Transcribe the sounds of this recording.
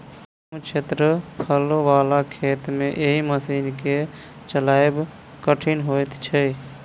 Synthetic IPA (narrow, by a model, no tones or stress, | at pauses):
mut͡ʃʰet̪ɾəpʰəloʋaːlakʰeːt̪mẽʔeɦiməsiːnke | t͡ʃəlaːjb | kəʈʰinɦojt̪t͡ʃʰə